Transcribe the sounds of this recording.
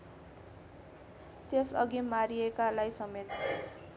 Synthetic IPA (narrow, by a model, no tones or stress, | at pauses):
t̪jesʌ̰ɡimaɾiekalajsʌmet̪̚ːʰʌ